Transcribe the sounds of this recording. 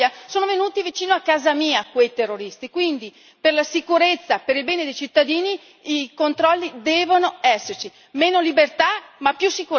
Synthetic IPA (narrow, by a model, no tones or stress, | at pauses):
asoːnovenuːt̪ivit͡ʃiːnoakːaːzamiːakwejt̪erːoɾist̪ikwind̪i | perlasikuɾet̪sːapeɾilbɛːned̪ejt͡ʃit̪ːad̪iːniː | kont̪ɾɔlːid̪ɛːvonoɛsːert͡ʃi | meːnolibert̪amapːjusːiku